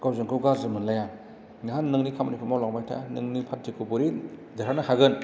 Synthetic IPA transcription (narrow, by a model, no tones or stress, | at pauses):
ɡ̥awzɯŋkʰɯwɡazɯmɯnlajaŋ | nɦanːɯŋnikʰamanipʰɯmawlaŋmajtʰa̰nɯŋnipʰat̚dikʰupuɾidaɾanɯhaɡɯn